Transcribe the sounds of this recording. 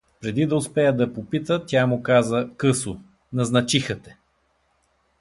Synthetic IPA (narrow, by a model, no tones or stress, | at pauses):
pɾɛd̪id̪ɐʊspɛjəd̪ɐpopit̪ət̪ʲjamʊkazəkɤsʊ | nɐznɐt͡ʃixət̪ɛ̥